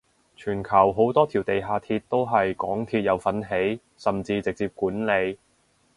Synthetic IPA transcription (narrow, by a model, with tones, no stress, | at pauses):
t͡ʃʰyː˨˩nkʰɐ˨˩wɦo˨˥wt̪ɔː˥t̪ʰiː˨˩wt̪e˨jɦaː˨˧t̪ʰiː˧t̚t̪ːo˥wɦɐ˨jkɔː˨˥ŋt̪ʰiː˧t̚jɐ˨˧wfɐ˨˥nɦe˨˥j | sɐ˨˩mt͡siː˧t͡sɪ˨k̚t͡siː˧p̚kuː˨˥nle˨˧j